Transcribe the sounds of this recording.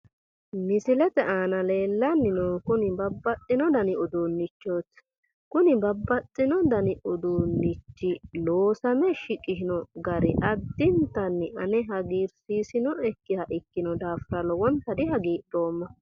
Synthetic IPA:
mɪsɪlɛt̪ɛʔaːnɐle̞ːlːɐnːɪnokʊnɪbɐbːɐtʼːɪnɔd̪ɐnɪɔd̪oːnːɪt͡ʃːoːt̪ | kʊnɪbɐbːɐt̪ʼːɪnɔd̪ɐnɪʔɔd̪oːnːɪt͡ʃːɪloːsɐmɛʃɪkʼːɪʃɪnɔɡɐɾɪ̰ʔɐd̪ːɪnt̪ːɐnːɪʔɐnɛɦɐɡiːɾsiːsɪnɔʔɛkːɪhɐʔɪkːɪnɔd̪aːfɾɐlɔwɔnt̪ːɐd̪ɪɦɐɡiːᶑo̞ːmːɐ

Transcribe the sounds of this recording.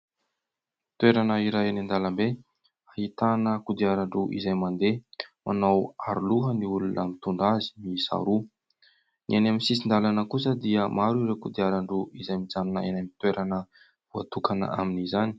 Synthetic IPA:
t̪weɾanəiɾaenand̪alambe | ahit̪anəkud̪iaɾaɳɖ͡ʐuʔḭzajmand̪emanawaɾuluɦəniulunʔamit̪uɳɖ͡ʐazi̥misa̰ɾu | nianamisis̬ind̪alanəkus̬əd̪iəmaɾiɾekud̪iaɾaɳɖ͡ʐuʔizajmid͡zannə̰enamit̪weɾʔanə | vuat̪ukanə̰a̰minizani̥

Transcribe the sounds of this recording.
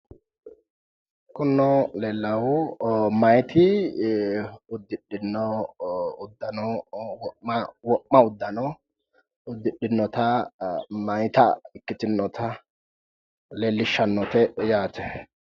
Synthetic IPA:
kʊnːɔleːlːɐwʊmɐjt̪ɪ | ʊd̪ːɪɗːɪnːɔ | ʊd̪ːɐnɔwɔɐwɔʔːɐʊd̪ːɐnɔ | ʊd̪ːɪɗɪnːɔt̪ɐ | mɐjt̪ɐ̰ɪkːɪt̪ɪnːɔt̪ʰɐ | leːlːɪʃːɐnːɔt̪ɛjaːt̪ɛ

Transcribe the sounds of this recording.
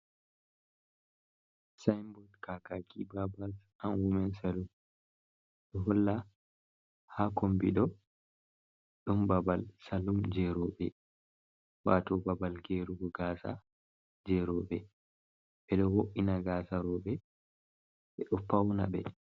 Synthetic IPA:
sajmbɔlkakakʰibabas | anwumɛnsalum | ɗɔɦɔlːa | hakombiɗɔ | ɗɔmbabalsalumd͡ʒɛɾɔbɛ | watɔbabalɡeɾuɡɔɡaːsa̰ | d͡ʒɛɾɔbɛ | ɓɛɗɔwoʔinaɡaːsaɾɔɓɛ | ɓɛɗɔpawna̰bɛ̰

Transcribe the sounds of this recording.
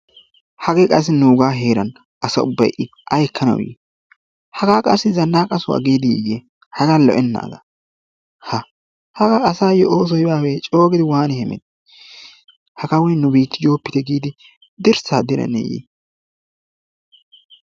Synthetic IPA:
hɐɡɛkʼɐs̬ːɪnuːɡaːɦe̞ːɾɐn | ʔɐsɐ̰ʊbːɐjʔɪ | ʔɐjkːɐnɐ̰wjḛ | hɐɡaːkʼɐsːɪzɐnːaːkʼɐsʊwa̰ɡeːd̪ɪ̰je | hɐɡɐlɔ̰ʔɛnːa̰ːɡɐ | hɐ | hɐɡaːsaːjɔʔoːs̬ɔjɪbaːwɛt͡ʃʼo̞ːɡɪd̪ɪwaːnɪhɛmɛ̰d̪ | hɐkɐwɔjnːʊbiːt̪ːɪjo̞ːpːɪt̪ɛɡiːd̪ɪ | d̪ɪɾsaːd̪ɪɾɐ̰nɛ̰jḛ

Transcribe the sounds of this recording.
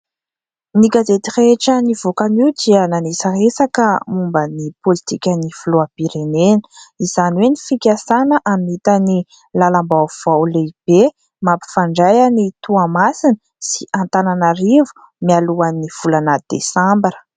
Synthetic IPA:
nikazet̪ireʈ͡ʂəniv̥okaniwd̪iənanesəresakəmumbənipolit̪ikʲənifuloabiɾenenə̥iz̥aniwenifikʲasanəʔamit̪ani | lalambawv̥awleb̥e | mapi̥faɳɖ͡ʐajanit̪uamasini̥ | si̥ʔant̪ananaɾivu̥ | mialuaniv̥ulanəd̪̥ḛsambɾə̥

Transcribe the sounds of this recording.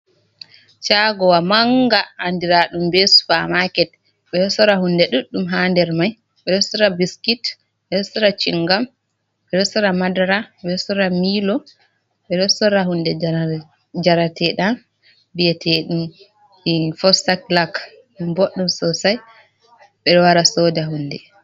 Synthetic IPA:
t͡ʃaɡɔwamaŋɡaʔːndiɾaɗumbesu̥famakɛt̚ | ɓɛɔsɔɾahundɛɗuɗːumɦandɛɾmaj | ɓɛɗɔsɔɾabiskit | ɓɛɗɔsɔɾat͡ʃḭŋɡam | ɓɛɗɔsɔɾamadaɾaɓɛɔsɔɾamiːlɔ | ɓɛɗɔsɔɾahundɛ | d͡ʒaɾatɛɗan | bijɛtʰɛɗum | ifɔsaklak | ɗumboɗːɔmsɔsaj | ɓɛɗɔwaɾasɔdaɦunːdɛ

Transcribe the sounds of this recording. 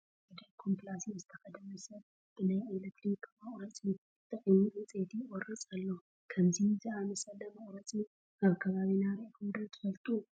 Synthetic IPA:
ed̪ɐlkʰomplasizɨt̪ʰɐxɐd̪ɐmusɐβ | b̥ɨnajelet̪ʰɾikmɐχʼɾɐt͡sʼi | ɨt̪ʰɨʔʼijiʔit͡sʼet̪ʰiɔrit͡sʼalːo | kʰɐmzizianɨsɐlɐmɐχʼɾɐt͡sʼi | ʔaβkʰɐβaβinaɾiʔkʰumd̪ɐlt̪ʰɨ̥fɐlt̪ʼu

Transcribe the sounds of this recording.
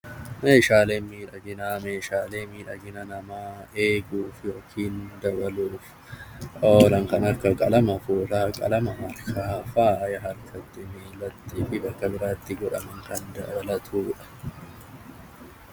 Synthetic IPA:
me̞ːʃaːle̞ːnmiːᶑɐɡɪnaːme̞ːʃaːle̞ːmiːᶑɐɡɪnɐnɐmaːe̞ːɡuːfɪjoːkʰiːnd̪ɐbɐluːf | oːlɐŋkɐnɐkːɐkʼɐlɐmɐfuːt̪aːkʼɐ̰lɐmɐhɐɾkʰaːfaːjɐɦɐɾkʰɐt̪ːɪmeːlːɐt̪ːiːfɪbɐkːɐbɪɾaːt̪ːɪɡɔᶑɐmɐŋkɐnd̪ɐ̰bɐlɐt̪ʰuːᶑɐ̥

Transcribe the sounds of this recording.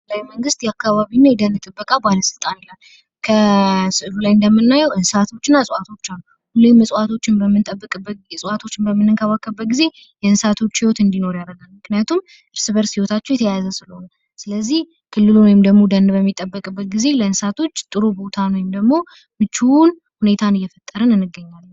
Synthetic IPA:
lajməŋɡɨst̪jɛakːaβaβinːajɛd̪ənd̪ɨt̪ʼɨbːəkʼabaləsɨlt̪ʼanlə | kʰəsɨʔlulajɨnd̪əmːɨnːajɛwʔɨnsat̪ʰo̞t͡ʃːɪnːasʼat̪ʰo̞t͡ʃːalːu | hulːemːəsʼat̪ʰo̞t͡ʃːɪnbəmːɨt̪ʼəbːəkʼɛsʼat̪ʰo̞t͡ʃːɪnbəmːɨnɨŋkʰəβakːəbːət̪̚ɡize̞ | jɛɨnsat̪ʰo̞t͡ʃːhiwo̞t̪ɨnd̪ino̞ɾjaɾəɡalmɨknɨjat̪ʰum | ʔɨɾsɨβəɾsiwo̞t̪ʰat͡ʃːɛwjɛt̪ʰəjazəsɨləho̞na | sɨləzːih | kʰɨlːɨlunojɪmd̪əɡmo̞d̪ənd̪bəmːit̪ʼːəbːəkʼbːət̪̚ɡize̞ləɨnsat̪ʰo̞t͡ʃːt̪ʼɨɾobo̞t̪ʰanojɪmd̪əɡmo̞ | mɨt͡ʃːuwn | hune̞t̪ʰanɨjːɛfət̪ʼːəɾənɨnːɨɡːəɲːalːə

